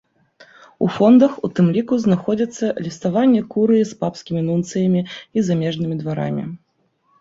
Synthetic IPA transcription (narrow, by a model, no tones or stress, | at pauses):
ṵfɔnd̪ɐxut̪ɨmlʲikuznaxɔd͡zʲit̪sːɐlʲist̪avanʲːɛkuɾɨispapskʲimʲinunt̪sɨjɐmʲiizamʲɛʐnɨmʲid̪vaɾa̰mʲḭ